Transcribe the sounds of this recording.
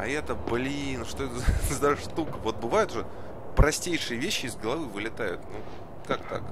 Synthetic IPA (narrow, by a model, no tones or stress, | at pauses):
ɐ̰ɛt̪əblʲinʂt̪oɛt̪əzzd̪aʂt̪ukəvo̞t̪̚bɨvajʊt̪ʊʐɛ | pɾɐsʲtʲejʂɨjəvʲeɕːɪɪzɡəlˠɐvɨvɨlʲɪt̪ajʊ̰t̪nu | kak̚t̪a̰k